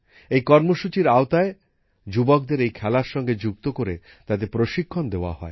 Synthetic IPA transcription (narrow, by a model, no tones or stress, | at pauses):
ejkɔɾmoʃut͡ɕiɾaot̪ae | d͡ʑubok̚d̪eɾejkʰɛlaɾʃɔŋɡed͡ʑuk̚t̪okoɾe | t̪ad̪epɾoʃikʰːond̪eoa̰ɦɔe